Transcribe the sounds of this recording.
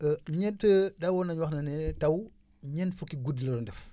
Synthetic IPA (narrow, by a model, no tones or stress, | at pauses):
əɲɛntədawɔnɐɲwɐxnɐnɛtɐw | ɲɛnfukːiɡudilɐɾɔndɛf